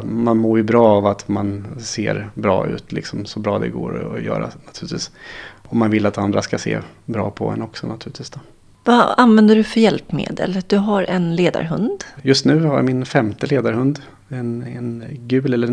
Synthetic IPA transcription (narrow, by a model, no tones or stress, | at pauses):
manmoːɾjɵbɾɑːvat̪manseːɾbɾɑ̰ːʉ̟̰ːt̪ʰlɪksɔmsɔbɾɑːd̪ɛ̰ɡo̰ːɾjœ̰ːɾa̰nat̪ʰʉ̟ːɪt̪viːsɔmːanvɪlːat̪and̪ɾaskasḛːbɾɑ̰ːpʰɔ̰ɛ̰nɔksɔnat̪ʰʉ̟ːlɪt̪viːsd̪̥oː | vaanvɛnd̪əɖɵfœɾjɛlpmḛːd̪ə̰ld̪̥ɵɦaɾʔɛnleːd̪a̰ɾɦɵnd̪jɵst̪nʉ̟ːhajamɪnfɛmt̪əleːd̪aɾhɵnd̪ | ɛnɛnɡʉ̟ːlɛlːə